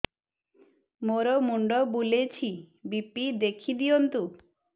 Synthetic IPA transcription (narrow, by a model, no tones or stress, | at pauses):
moɾɔmuɳɖɔbulet͡ʃʰi | bipid̪ekʰid̪iɔnt̪u